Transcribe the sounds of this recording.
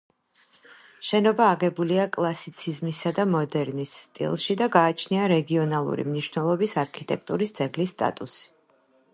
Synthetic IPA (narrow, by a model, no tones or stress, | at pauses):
ʃɛnɔbaːɡɛbuliakʼlˠasit̪sʰizmisad̪amɔd̪ɛɾnisːt̪ʼḭlˠʃid̪aɡaːt͡ʃʰniaɾɛɡiɔnalˠṵɾḭmniʃvnɛlˠɔbisaɾkʰit̪ʼɛk̚ʰt̪ʼuɾisd̪z̥ɛɡlisːt̪ʼa̰t̪ʼusi̥